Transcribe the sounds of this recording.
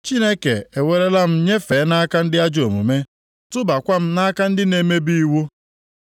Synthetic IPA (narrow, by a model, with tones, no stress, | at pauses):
t͡ʃi˦ne˦ke˨e˨we˨ɾe˦la˦m̩˦ɲe˦fe˨˦na˦ka˦n̩˦dɪ˦a˦d͡ʒo˨mṵ˨me˦ | tʊ˦ba˨kʷa˦m̩˦na˦ka˦n̩˦dɪ˦ne˨˦me˦bi˦i˦wu˦